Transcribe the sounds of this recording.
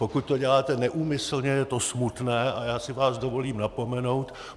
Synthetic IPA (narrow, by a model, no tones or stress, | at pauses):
pokut̪̚t̪o̞ɟɛlaːt̪ɛnɛʔuːmɪsl̩ɲɛjɛt̪o̞smut̪nɛːʔajaːsɪvaːzdovo̞liːmnapo̞mɛno̞wt̪